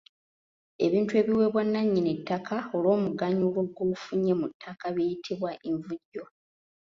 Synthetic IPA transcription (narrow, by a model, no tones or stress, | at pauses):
e̞βiːntue̞ːβiwe̞βwanːaɲːinetːakʰaolo̞ːmuɡaɲulo̞ɡofuɲːemutʰːakaβejitʰiβwaʔeɱvuɟːo̞